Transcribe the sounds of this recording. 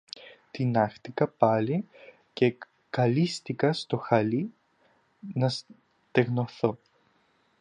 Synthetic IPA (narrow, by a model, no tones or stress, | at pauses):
t̪inɐxt̪ikɐpɐli | ce | kɐlist̪ikɐst̪o̞xɐli | nɐs | t̪eɣnoθo